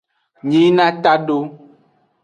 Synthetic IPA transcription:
ɲĩ˨˦nã˦t̪a˦ɖo˦

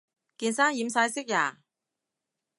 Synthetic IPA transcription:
kiː˧nsaː˥ŋjiː˨˧msaː˧jsɪ˥k̚jaː˨˩

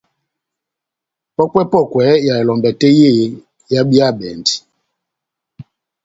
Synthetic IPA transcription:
pɔ˦kwɛ˦pɔ˦˨kwɛ˨˦ja˨ɛ˨lɔ˨mbɛ˨tɛ˦je˦˨˦ | ja˦ɓi˦a˦˨ɓɛ˨ndi˨

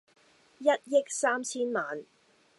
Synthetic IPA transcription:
jɐ˦˥t̚jɪ˥k̚saː˥mt͡sʰiː˥nmaː˨n

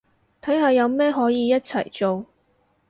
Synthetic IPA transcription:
t̪ʰɐ˨˥jɦaː˨jɐ˨˧wmɛː˥ɦɔː˨˥jiː˧jɐ˥t̚t͡sʰɐ̰˨˩jt͡so˨w

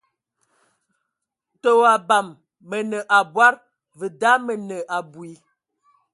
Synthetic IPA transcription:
to˨wa˨ba˨mː | ə˨nə˨ʔa˨bwa˦ɾ | və˨da˦mə˨nə˨ʔa˨bu˨i˨˦

